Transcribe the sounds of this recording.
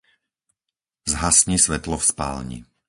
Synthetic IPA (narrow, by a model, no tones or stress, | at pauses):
zɦasɲisʋɛt̪lɔfspa̰ːlɲḭ